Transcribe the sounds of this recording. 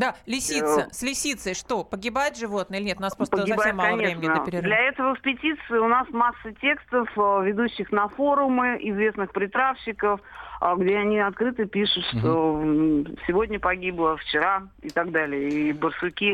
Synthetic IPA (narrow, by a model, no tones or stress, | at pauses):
d̪alʲɪsʲit̪səsʲlʲɪsʲit̪səʂt̪o̞pəɡʲɪbajt̪ʐɨvo̞t̪nɨilʲɪnʲet̪ʊnaspɾosp̪əɐfsemmːalˠəvɾemʲɪnʲɪd̪pɪɾʲɪdlʲɐɛt̪əvəɪkspʲɪtʲit̪sɨɪʊnasmasːətʲe̞kst̪əfvʲɪd̪uɕːɪxnɐfo̞ɾʊmɨʔɪzvʲe̞snɨxpɾʲɪt̪ɾafɕɪkəfɡdʲeɐnʲiɐt̪̚kɾɨt̪ɨpʲiʂʊt̪ʂt̪o | sʲɪvo̞dʲnʲəpɐɡʲiblˠəft͡ɕɪɾaɪt̪aɡd̪alʲɪjəibərsʊkʲi